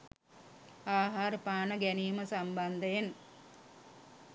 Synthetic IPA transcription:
aːɦaːɾpaːnəɡæniːməsamband̪ɐjen

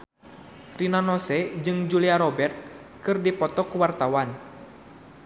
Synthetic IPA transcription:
rinanɔsɛd͡ʒɨŋd͡ʒuliaɾɔbɛrt̪̚ | kɨrdipɔt̪ɔkuwart̪awan

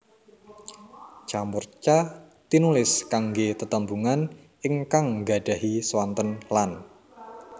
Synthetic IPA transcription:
t͡ʃamʊrt͡ʃa | t̪inulɪskaŋɡet̪ət̪əmbuŋan | ɪŋkaŋɡa̤ɖ̥a̤ɦiswant̪ənlan

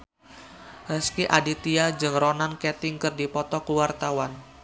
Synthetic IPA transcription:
ɾəskiʔadit̪iad͡ʒɨŋɾonankɛt̪ɪŋkɨrdipɔt̪ɔkuwart̪awan

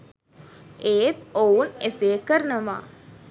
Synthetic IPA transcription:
eːt̪ouneseːkəɾnəʋa̰ː

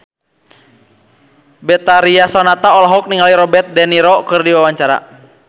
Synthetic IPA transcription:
bɛt̪aɾiasɔnat̪aɔlaɦɔk̚niŋaliɾɔbɛt̪̚dɛniɾɔkɨrdiwawaɲt͡ʃaɾa̰

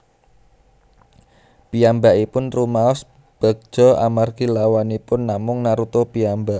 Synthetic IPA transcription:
piambaʔipʊnrumaɔs | b̥a̤k̚ʒ̥ɔ̤a̰marɡilawanipʊnːamʊŋnaɾut̪opiambaʔ

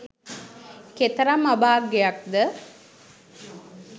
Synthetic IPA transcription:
ket̪əɾamabaːkːejak̚d̪ə

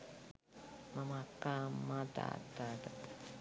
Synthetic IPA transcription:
mamakːamːat̪a̰t̪at̪a

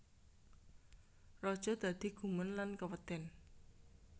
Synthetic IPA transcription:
rɔd̥ʒ̥ɔ̤d̪̥ä̤d̪̥i̤ɡ̥umənlankəpət̪ɛn

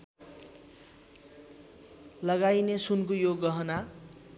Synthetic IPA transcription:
lʌɡajnesunkojoɡʌɦʌna

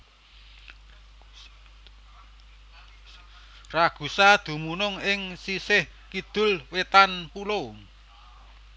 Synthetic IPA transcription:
raɡ̥ṳsad̪̥ṳmunʊŋɪŋsisɪh | kid̪̥ʊ̤lwet̪anpulo

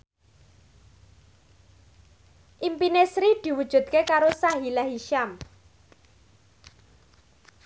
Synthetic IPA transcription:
ʔimpinesɾid̪̥i̤wud̥ʒ̥ṳd̪̥̚kekaɾosaɦilaɦiʃam

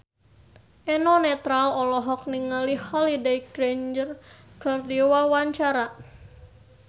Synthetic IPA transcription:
ʔɛnɔnɛt̪ɾalɔlɔɦɔk̚niŋalihɔlidekɾend͡ʒərkɨrdiwawaɲt͡ʃaɾa

